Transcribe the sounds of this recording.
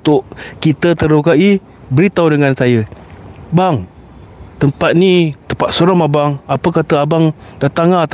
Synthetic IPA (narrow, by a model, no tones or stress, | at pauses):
t̪ʊʔkit̪ət̪əɾukaʔi | bəɾit̪awdəŋansajə | baŋ | t̪əmpat̪̚nit̪əpat̪̚soɾamabaŋapəkat̪əabaŋdat̪aŋat̪